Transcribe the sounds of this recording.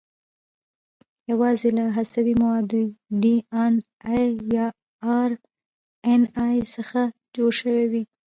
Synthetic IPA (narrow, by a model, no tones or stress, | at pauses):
jawɑzelaɦasawimawɑd̪uɖian | jjɑ | ɑɾ | enɑjsəxad͡ʒoɽʃəwewi